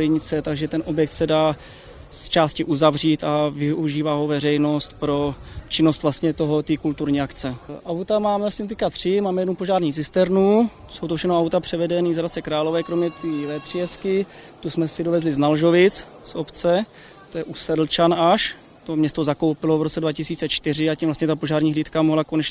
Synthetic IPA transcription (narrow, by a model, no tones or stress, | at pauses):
lɪɲɪt͡sɛt̪aɡʒɛt̪ɛnʔo̞bjɛk̚t̪sɛdaː | st͡ʃaːscɪʔuzavr̝iːt̪avɪuʒiːvaɦo̞vɛrɛjno̞st̪pɾo̞t͡ʃɪnost̪vlast̪ɲɛt̪o̞ɦot̪iːkult̪uɾɲiːakt͡sɛʔawt̪amaːmɛvlast̪ɲɛst̪̬ɛckat̪r̝̥ɪmaːmɛjɛdnupo̞ʒaːɾɲiːt͡sɪst̪ɛɾnu | sowt̪ofʃɛxnoawt̪apr̝̥ɛvɛdɛniːzadat̪t͡sɛkɾaːlo̞vɛːkɾomɲɛt̪iːvɛpr̥ijɛskɪ | t̪usmɛsɪdovɛzlɪznalʒo̞vɪt͡s | so̞pt͡sɛ | t̪ojɛʔusɛdl̩t͡ʃanaʃ | t̪o̞mɲɛst̪o̞zako̞wpɪlovɾot͡sɛdvacɪsiːt͡sɛt͡ʃt̪ɪr̝ɪacimvlast̪ɲɛt̪apoʒaːɾɲiːɦliːt̪kamoɦlakonɛt͡ʃɛ